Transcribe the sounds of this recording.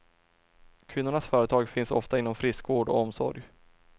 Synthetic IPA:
kʰvɪnːʊɳasfœːɾət̪ʰɑːɡfɪnsɔ̰ft̪aɪnːɔmfɾɪskvoːɖɔ̰ɔmsɔ̰ɾj

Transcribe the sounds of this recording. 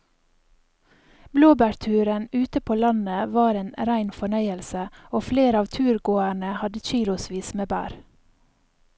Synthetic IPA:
bloːbæɾt̪ʰʉːɾənʉːt̪əpʰoːlɑnəʋɑːɾeːnɾæɪnfɔɳœʏəlsəoːfleːɾɑːʋt̪ʰʉːɾɡoːæɳəhɑd̪əc͡çiːlʊsʋiːsmeːbæ̰ːɾ

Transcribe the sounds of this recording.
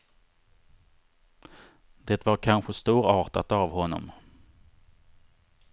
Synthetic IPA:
d̪̥ɛːt̪vaɾkʰanɧəst̪uːɾɑːʈat̪avhɔnːɔ̰m

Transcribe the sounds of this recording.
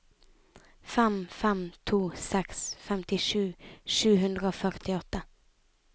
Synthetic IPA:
fɛmfɛmt̪ʰuːsɛksfɛmt̪ɪʂʉ̟ːʂʉːɦɵnd̪ɾəofœɾʈɪɔt̪ːə

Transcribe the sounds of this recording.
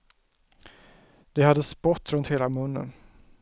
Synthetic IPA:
d̪̥ɛhad̪ːəspɔt̪ːɾɵnt̪heːlamɵnːə̰n

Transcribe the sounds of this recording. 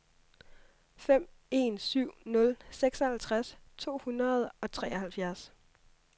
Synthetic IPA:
fem̰e̝̰ːnsyʊ̰nɔ̽lseɡ̥sɒhælt͡sʰʁast͡sʰo̝̰ːhunɐð̞̩ˠɒ̽t͡sʰʁɛ̰ːɒhælfjæɐs

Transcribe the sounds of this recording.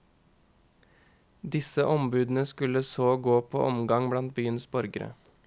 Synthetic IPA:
d̪ɪsəʔɔmbʉːd̪n̩əskʉləsoːɡoːpʰo̰ːʔɔmɡɑŋblɑnt̪̚byːənsbɔɾɡəɾə̰

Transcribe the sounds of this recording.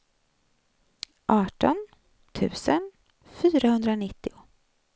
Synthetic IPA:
ʔɑːʈɔn | t̪ʰʉ̟̰ːsən | fyːɾahɵnd̪ɾaɔnɪt̪ːɪʊ

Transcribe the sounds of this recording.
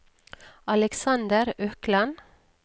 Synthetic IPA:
ɑlɛksɑnd̪əɾœklɑn

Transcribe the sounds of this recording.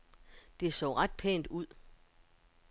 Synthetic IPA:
d̥e̝sɔ̰ʊʁɑ̈d̥̚pʰḛːnd̥uð̰ˠ

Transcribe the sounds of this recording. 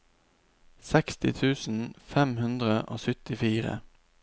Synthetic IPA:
sɛkst̪ɪ̰t̪ʰʉːsn̩fɛmhʉnd̪ʁəʔo̰ːsʏt̪ɪfiːʁə̰

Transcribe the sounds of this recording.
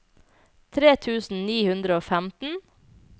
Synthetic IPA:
t̪ʰɾeːt̪ʰʉːsn̩niːhʉnd̪ɾəoːfæmt̪n̩

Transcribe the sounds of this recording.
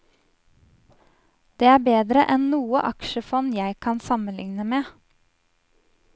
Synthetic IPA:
d̪̥eːæːbeːd̪ɾəʔɛnnuːəʔɑkʃəfɔnjæɪkʰɑnsɑmənlɪ̰ŋnəmeː

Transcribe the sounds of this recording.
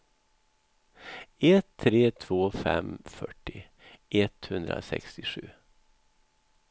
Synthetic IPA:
ɛt̪ʰːɾeːt̪ʰvoːfɛmfœʈːɪ | ʔɛt̪hɵnd̪ɾa̰sɛ̰kst̪ɪɧʉ̟ː

